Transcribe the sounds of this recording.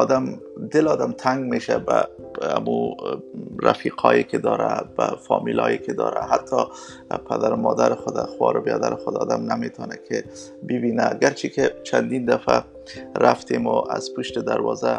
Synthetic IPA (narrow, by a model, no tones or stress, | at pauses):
ɔd̪amd̪ɪlɒd̪amt̪ʰaŋɡmeʃaba | amu | ɾafiqʰɒjekɪd̪ɒɾabafɒmilɒjekɪd̪ɒːɾaɦat̪ʰːɒ | pʰad̪aɾʊmɔd̪aɾɪxʊd̪axwɒɾʊbjad̪aɾɪxʊd̪ɔd̪amnamet̪ʰɔnakʰɪ | bɪbinaɡaɾt͡ʃʰiket͡ʃʰand̪ind̪afa | ɾaft̪emʊʔaz̥puʃt̪ɪd̪aɾwɒza